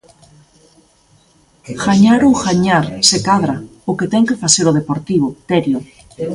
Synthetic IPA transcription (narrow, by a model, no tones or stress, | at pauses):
xaɲaɾuxaɲaɾsekaðɾaoket̪ɛŋkefaseɾoð̞epoɾt̪iβ̞ot̪eɾjo